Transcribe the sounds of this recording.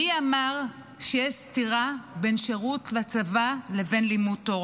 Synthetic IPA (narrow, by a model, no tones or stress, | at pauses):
iamaʁ | ʃejeʃstiʁabe̞nʃeʁutlat͡savaleve̞nlimutːoʁ